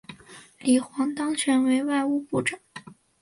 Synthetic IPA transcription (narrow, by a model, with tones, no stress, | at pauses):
li˨˩xwɑ˧˥ŋt̪ɑ˥ŋt͡ɕʰɥɛ˧˥nwe˧˥ɪwa˥˧ɪu˥˧pu˥˩ʈ͡ʂɤ˨˩˦ŋ